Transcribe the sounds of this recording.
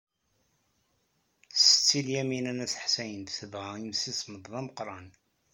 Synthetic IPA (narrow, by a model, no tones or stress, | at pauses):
sə̥t͡sːiljæminænæsə̥ħsæjənd̪θəvʁæimsisməd̪ˤðæməqɾˤɑn